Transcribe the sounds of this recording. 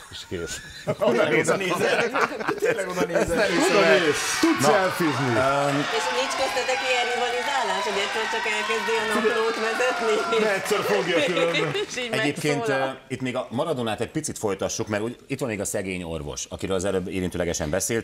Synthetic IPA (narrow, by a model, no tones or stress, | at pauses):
ʃkeːʃ | nezɛt̪elːɛɡonnːznɛmioʃeːʃt̪ud̪nɛlfiznieʃnit͡ʃkøslɛt̪ɛkiɛɾnibɒlɛzaːlːant̪hoɟɛt̪ːølt͡ʃɒkɛlkɛzd̪iɛnɔploːt̪mɛzɛt̪ninɛtsørfoɡjɒkylønɛɟeːpkeːnit̪meːɡɒmɒɾɒd̪onaːt̪ɛc̚pit̪sit̪fo̞jt̪ɒʃːukmɛɾuːɟit̪ʋɒmmeːɡɒsɛɡeːɲo̞̰rvo̰ʃɒ̰kiɾøːlɒzɛløːbːḭːɾint̪øːlɛɡɛʃɛ̰mbɛseːlt̪